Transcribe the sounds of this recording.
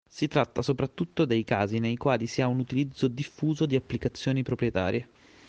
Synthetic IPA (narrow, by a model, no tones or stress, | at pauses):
sit̪ɾat̪ːasopɾat̪ːut̪ːod̪ejkaːzinejkwaːlisiaunut̪ilid̪zːod̪ifːuːzod̪iapːlikat̪sːjoːnipɾopɾjet̪a̰ːɾje